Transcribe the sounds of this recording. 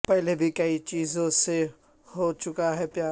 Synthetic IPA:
pɛɦlebʱikɐit͡ʃiːzõse | hot͡ʃʊkaɦɛpjaː

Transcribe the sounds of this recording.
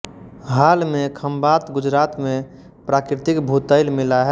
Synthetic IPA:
ɦaːlmẽkʰəmbat̪ɡʊd͡ʒɾaːt̪mẽ | pɾaːkɾɪt̪ɪkbʱut̪əɪlmɪlaɦɛ

